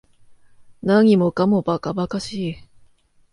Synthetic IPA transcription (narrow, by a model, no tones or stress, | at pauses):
naɲ̟imo̞kamobakabakaɕiː